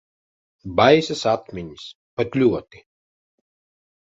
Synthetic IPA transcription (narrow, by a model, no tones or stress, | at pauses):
bajsɨsat̪mʲiɲis | pat̪ʲlʲuɔt̪i